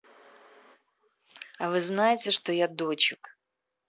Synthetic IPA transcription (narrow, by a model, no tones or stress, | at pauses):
avɨznajɪtʲɪʂt̪ojad̪ot͡ɕɪk